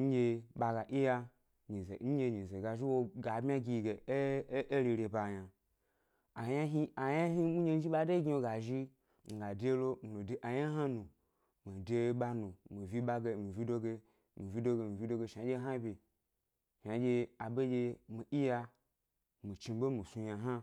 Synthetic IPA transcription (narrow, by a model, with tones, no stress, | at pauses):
ɲ̩˦d͡ʒe˧ɓa˧ɡa˨ʔi˦ja˧ | ɲi˨ze˨˦n̩˦je˧ɲi˨ze˨ɡa˨ʒi˦wo˧ɡa˨bmʲ˦a˦ɡʲi˧ɡe˨˦e˦ɾi˧ɾe˧ba˨ja˨ | a˨ja˦ɦi˦a˨ja˦ɦi˦mu˦ɲe˧n̩˦i˦ɓa˧de˦ɡʲi˦wo˧ɡa˨ʒi˦ | ŋ̩˨ɡa˨de˦lo˦m̩˨lo˨de˨ʔa˨ja˦ɦa˦nu˨ | mi˨de˧˦ɓa˧nu˨mi˨vi˧˦ɓa˧ɡe˧mi˨vʲi˦do˧ɡe˧ | mi˨vi˦do˧ɡe˧mi˨vi˦do˧ɡe˧ʃa˨d͡ʒe˧˦ɦa˦bʲi˨ | ʃa˨d͡ʒe˧a˨be˦d͡ʒe˧mi˨ʔi˦ja˧ | mi˨t͡ʃi˧˦bo˦mi˨su˧ja˧ɦa˦